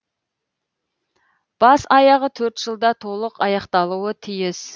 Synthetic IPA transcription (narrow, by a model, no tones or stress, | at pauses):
b̥ɑsɑjɑʁət̪ʰɵɾt̪ʒ̥əlˠd̪ɑt̪ʰo̞lˠəqɑjɑqt̪ɑlˠuwət̪ʰijɪs